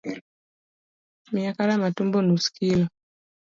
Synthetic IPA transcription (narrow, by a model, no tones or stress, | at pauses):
miakaɾamatumbɔnusi̥kilɔ